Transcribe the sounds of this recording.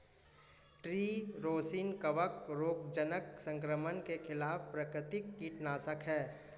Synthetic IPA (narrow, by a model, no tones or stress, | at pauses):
ʈɾiːɾoːsiːnkəʋəkɾoːɡ̚d͡ʒənəksə̃ŋkɾəmənkekʰɪlaːfpɾəkɾɪt̪ɪkːiːʈnaːsəkɦɛː